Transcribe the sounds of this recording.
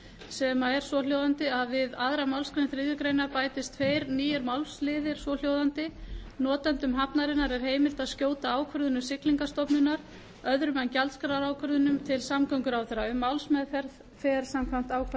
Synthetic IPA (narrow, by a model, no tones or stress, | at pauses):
sɛmaɛɾ̥svɔl̥jowðant̪ɪaðvɪðaðɾamawlskɾejnθɾɪːðjʏkɾejnapaːjt̪ɪst̪ʰfeːjɾniːjɪɾmawlslɪːðɪɾ̥svɔl̥joːwðant̪ɪnɔːt̪ant̪ʏmɦapnaɾɪnːaɾɛɾ̥ɦeːjmɪɾ̥t̪aðscoːwt̪aaːwkʰvœɾðʏnʏmsɪkliŋkast̪ɔpnʏnaɾ̥ | œðɾʏmancalt̪skɾaɾaːwkʰœɾðʏnʏmt̪ʰɪlsamkʰœŋkʏɾawθerːaʏmːawlsmɛðfɛɾð | fɛɾ̥samkʰam̥t̪aːwkʰv